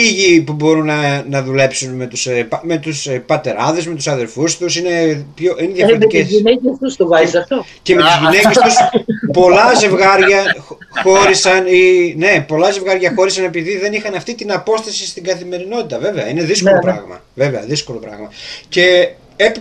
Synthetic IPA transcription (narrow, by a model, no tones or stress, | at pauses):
iʝipubo̞ɾunɐnɐðule̞psunme̞t̪uspme̞t̪uspɐt̪e̞ɾɐðezme̞t̪usɐðe̞ɾfust̪usinepçoʔineðjɐfɾeceʝinecest̪ust̪ovɐzisɐft̪o | ce̞met̪izzʝine̞csesst̪uspo̞lɐze̞vɣɐɾʝɐxo̞ɾisɐnine̞po̞lɐze̞vɣɐɾʝɐxo̞ɾisɐne̞piðiðe̞nixɐnɐft̪it̪inɐpo̞st̪ɐsist̪iɡɐθime̞ɾino̞t̪it̪ɐve̞veɐine̞ðiskolopɾɐɣmɐ̰ | ve̞veɐ̰ðisko̞lo̞pɾɐ̰ɣmɐce̞ | ep